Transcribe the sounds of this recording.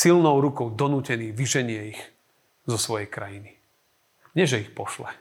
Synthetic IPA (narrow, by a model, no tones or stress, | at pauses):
silnɔʊɾukɔʊd̪ɔnuːcɛniːʋiʒɛɲɪɛix | zɔsʋɔjɛjkɾajini | ɲɪɛʒɛixpɔʃlɛ